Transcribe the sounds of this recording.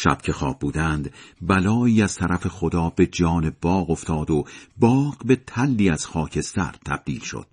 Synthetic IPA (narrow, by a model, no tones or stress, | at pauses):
ʃæ̰b̥̚cʰe̞xɒ̰ːb̚ːuːd̪ænd̪bælɒːiːæz̥t̪ʰæɾæfe̞χod̪ɒːbe̞d͡ʒɒːne̞b̥ɒːɣo̞ft̪ʰɒːd̪obɒːɢbe̞t̪ʰælːiːæz̥xɒːcʰe̞st̪æ̰ɾt̪ʰæ̰b̥̚d̪iːlʃo̰d̪̥̚